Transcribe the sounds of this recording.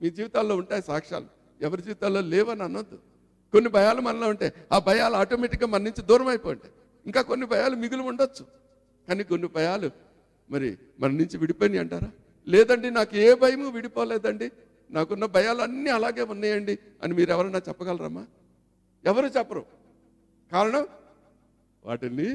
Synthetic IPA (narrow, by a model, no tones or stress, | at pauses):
miːd͡ʒiːʋit̪aːlːo̞ːuɳʈaːjisaːkʂa̰ːlu | ɛʋɐɾid͡ʒiːʋit̪aːlːo̞ːlɛːʋɐnɐnːɐd̪ːu | ko̞nːibʱɐjaːlumɐnɐloːuɳʈe̞ːaːbʱɐjaːluaːʈoːmeʈikɡaːmɐnɐnuɲt͡ʃid̪uːɾɐmɐjpoːjɐɳʈeː | iŋkaːko̞nːibʱɐjaːlumiɡuluuɳɖot͡ʃːu̥ | kaːniːkonːibʱɐjaːlu | mɐɾḭ | mɐnɐnuɲt͡ʃiʋiɽipoːjndiɐɳʈaːɾaː | lɛːd̪ɐɳɖinaːkueːbʱɐjɐmuʋiɽipɔːɐlɛːd̪ɐɳɖi | naːkunːɐbʱɐjaːluɐnːiɐlaːɡeːunːaːjɐɳɖi | ɐ̰nimiːɾɛʋɐɾɐnaːkt͡ʃɛpːɐɡɐlɐɾa̰ːmaː | ɛʋɐɾuːt͡ʃɛpːɐɾṵ | kaːɾɐɳɐm | ʋa̰ːʈilːi